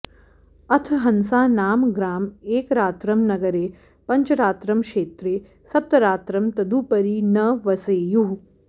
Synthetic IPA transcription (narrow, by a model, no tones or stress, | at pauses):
ɐt̪ʰɦɐnsaːnaːmɡɾaːmeːkɾaːt̪ɾɐmnɐɡɐɾeː | pɐɲt͡ʃɐɾaːt̪ɾɐmkʃeːt̪ɾeː | sɐp̚t̪ɐɾaːt̪ɾɐmt̪ɐd̪uːpɐɾinɐʋɐseːju